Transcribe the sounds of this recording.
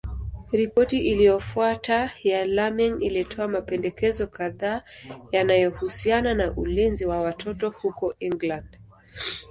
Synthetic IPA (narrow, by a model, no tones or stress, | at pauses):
ɾipɔtiʔilijɔfuatajalamiŋilitʰɔamapɛndɛkɛzɔkaðaːjanajɔhusiananaʔulinziwawatʰɔtɔhukɔiŋɡland̥